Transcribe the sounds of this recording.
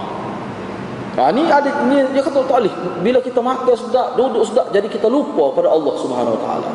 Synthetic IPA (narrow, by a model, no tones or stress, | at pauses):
a̰niadanijakat̪at̪aʔlibilakit̪amakasdaʔdouduʔsdaʔd͡ʒadikit̪alupakəpadaɑlːɑhsubɦanawat̪a̰ʔa̰la̰